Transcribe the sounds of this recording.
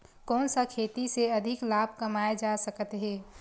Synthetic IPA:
kɔːnsakʰeːt̪iseɐd̪ʱɪklaːbʱkɐmaːed͡ʒasəkət̪ɦɛː

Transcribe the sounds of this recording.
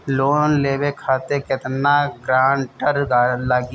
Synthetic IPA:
loːnleːbekʰaːt̪ekɪt̪naɡɾaːnʈəɾɡalaːɡ

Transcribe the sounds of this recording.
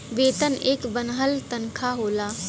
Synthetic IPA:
ʋeːt̪əneːkbənɦəlt̪ɐnkʰaɦoːlaː

